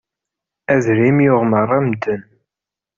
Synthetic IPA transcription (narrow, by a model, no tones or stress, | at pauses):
æðɾimjʊʁmərˤːæmd̪ən